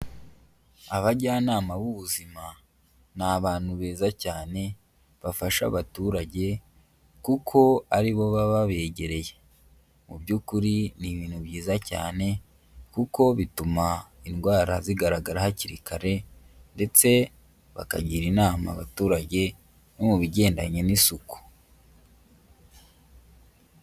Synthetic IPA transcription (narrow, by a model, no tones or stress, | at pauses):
aβaɟaːnaːmaβuβuzima | naβaːn̥huβe̞ːzacaːne̞ | βafaʃa̰βatuɾaɟe̞ | kukʰo̞aɾiβo̞βaβaβe̞ːɟe̞ɾe̞je̥ | mubɟuːkuɾiniβiːn̥huβjiːzaca̰ːne̞ | kuko̞βitumainɡwaːɾaziɡaɾaɡaɾahaciɾikaɾe̞ | nde̞t͡se̞ | βa̰ka̰ɟiɾinaːma̰βatuːɾaɟe̞ | nomuβiɟe̞ːndaɲe̞nisuku̥